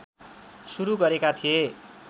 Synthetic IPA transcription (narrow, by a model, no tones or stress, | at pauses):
suɾuɡʌɾekat̪ʰie